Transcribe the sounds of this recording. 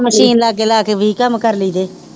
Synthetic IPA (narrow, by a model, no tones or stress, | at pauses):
məʃiːnlaːɡeːlaːkeːbʱiːkəmkəɾliːd̪eː